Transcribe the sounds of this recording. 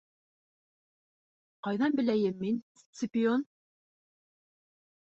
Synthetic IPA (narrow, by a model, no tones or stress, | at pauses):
qɑjðɑnbɘ̆læjɘmːin | t̪sʲɪpʲɪon